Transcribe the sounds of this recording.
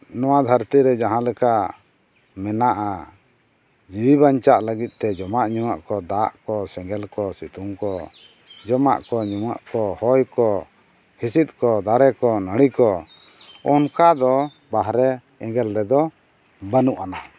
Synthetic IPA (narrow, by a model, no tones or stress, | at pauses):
nɔwad̪ʱaɾt̪iɾɛd͡ʒaɦãlɛkaʔ | mɛnaʔa | d͡ʒibibaɲt͡ʃaʔləɡit̪̚ˀt̪ɛd͡ʒɔmaʔɲumaʔkɔd̪aʔkɔsɛ̃ŋɡɛlkɔsit̪umkɔ | d͡ʒɔma̰ʔkɔɲuma̰ʔkɔhɔjkɔ | hisit̪̚kɔd̪aɾɛkɔnəɽ̃ikɔ | ɔnkad̪ɔ | baɦɾɛ | ɛ̃ɡɛlɾɛd̪ɔ | bənuʔana